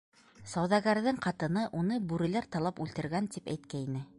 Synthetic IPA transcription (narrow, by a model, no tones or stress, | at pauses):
sɑwðɑɣæɾðɘŋqɑt̪ɤ̆nɤʔunɤbʉɾɘ̆læɾt̪ɑlˠɑpʉlt̪ɘ̆ɾɡænt̪ipæ̰jt̪̚kæinɘ